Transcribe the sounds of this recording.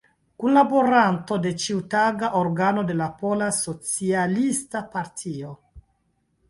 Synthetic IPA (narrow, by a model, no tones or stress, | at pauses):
kunlaboɾanto̞de̞t͡ʃiutaɡaʔoɾɡano̞de̞lapo̞laso̞t͡sialistapaɾtʰio